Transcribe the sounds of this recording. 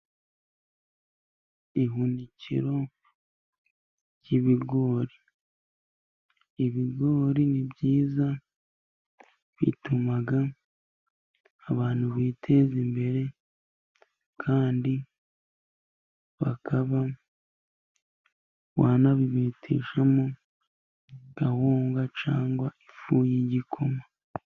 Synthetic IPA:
iɦundicḭɾo̞ | ɟiβiɡo̞ːɾi | iβiɡo̞ːɾinibɟiːza | βḭtumaɡa | βaːn̥huβiːtʰe̞ːzimbe̞ɾe̞ | kʰaːndi | βakʰaβa | waːnaβiβiːtʰḭːʃamo | ɡ̥ahoːŋɡat͡ʃaːŋɡwaifuːjiɟikʰo̞ma

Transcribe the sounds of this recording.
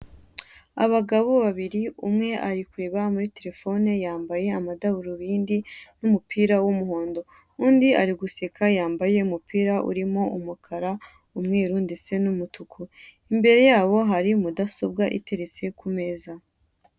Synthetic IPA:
a̰βaɡaβoβaβiɾiumŋe̞ʔaɾikuɾe̞βamuɾite̞ɾe̞fo̞nejaːmbaje̞amadaβuɾuβiːndinumupʰiːɾawumuho̞ːndo̞ | undiʔa̰ɾiɡuse̞kʰajaːmbaje̞umupiːɾaʔṵɾimo̞ʔumukʰaɾa | umŋe̞ːɾunde̞t͡se̞numutukʰu | imbe̞ɾe̞jaːβo̞ɦaɾimudaso̞b̚ɡaʔḭte̞ɾe̞t͡se̞kʰume̞za

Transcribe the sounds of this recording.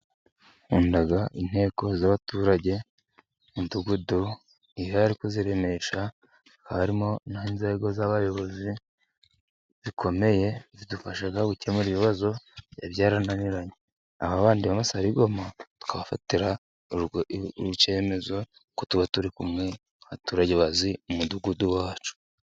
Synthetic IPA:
uːndaɡaʔin̥he̞ːko̞zaβatuːɾaɟe̞ | induɡudu | ijoaɾikoziɾe̞me̞ʃa | i̥kaβaɾimo̞nahinzeɡo̞zaβajo̞βo̞zi | zikʰo̞me̞je̞zidufaʃaɡaɡucemuɾiβiβazo̞ja̰βjaːɾananiɾaɲe | a̰βaβaːndiβamasaɾiɡo̞matu̥kʰaβafateɾa | uce̞me̞zo̞ | kotuβatuɾikumŋe̞ | hatuɾaɟeβaziumuduɡuduwaːt͡ʃu̥

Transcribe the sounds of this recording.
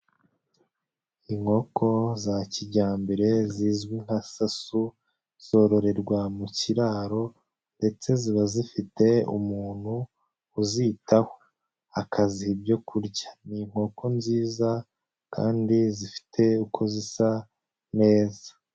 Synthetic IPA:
iŋ̥ho̞ko̞zaciɟaːmbe̞ɾe̞ziːzɡwiŋ̥hasasu | z̥o̞ɾo̞ɾe̞ɾɡwamuciɾaːɾo̞ | nde̞t͡se̞ziβazifite̞ṵmuːn̥huː | zitʰaho | akʰazihibɟo̞kuɾɟḁniŋ̥ho̞kʰo̞nziːza | kʰa̰ːndizifi̥tʰe̞ukʰo̞zisa | ne̞ːza

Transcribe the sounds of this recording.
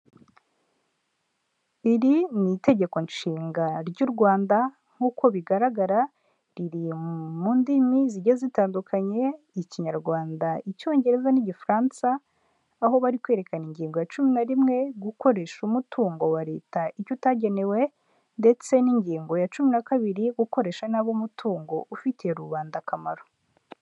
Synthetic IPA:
iɾinite̞ɟe̞ko̞nʃiːŋɡaɾɟuɾɡwaːnda | ŋ̥huːko̞βiɡaɾaɡaɾa | ɾiɾimuːndimiziɟazitaːndukʰaɲe̞ | iciɲaɾɡwaːndaʔico̞ːɲɟe̞ɾe̞zaniɟifɾaːnsaː | ɦo̞βaɾikwe̞ːɾe̞kaniɲɟiːŋɡo̞jat͡ʃuminaɾimŋe̞ɡuko̞ɾe̞ʃumutʰuːŋɡo̞waɾe̞ːtaʔicutaɟe̞ne̞we̞ | nde̞t͡se̞niɲɟiːŋɡo̞jat͡ʃuminakaβiɾiɡuko̞ɾe̞ʃanaβomutʰuːŋɡo̞ʔufitijeɾuβaːndakamaɾo

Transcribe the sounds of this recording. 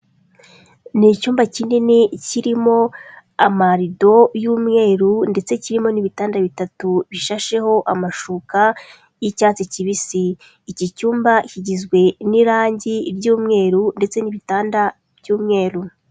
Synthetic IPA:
nicuːmbaciːndiniciɾimo̞ | amaɾido̞juːmŋe̞ːɾunde̞t͡se̞ciɾimo̞niβitaːndaβitatuβiʃaʃe̞ho̞ʔamaʃuka | jicaːt͡seciβisiː | cicuːmbaciɟizɡwe̞niɾaːɲɟiɾɟuːmŋe̞ːɾunde̞t͡se̞niβitaːnda | b̥juːmŋe̞ːɾu

